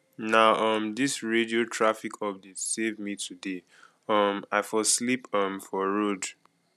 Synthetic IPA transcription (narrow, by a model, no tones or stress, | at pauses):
naʊʔʌmdisɹediotʰɹafikʰɔp̚desevmitʰude | ʌmaɪfɔslipʌmfɔɹod